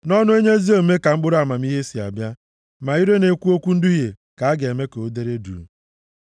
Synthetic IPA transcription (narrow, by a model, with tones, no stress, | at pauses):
nɔ˦nʊ˦e˦ɲe˦zi˦o˨me˦ka˨ŋ͡m̩˦ɡ͡bʊ˦ɾa˨ma˨m̩˦i˦ɦe˦si˨a̰˨bja˦ | ma˨i˦ɾe˦ne˨kʷu˦o˦kʷu˦n̩˦dʊ˦je˨ | ka˨a˦ɡe˨me˦ke˨o˦de˦ɾe˦dṵ˨n̩˨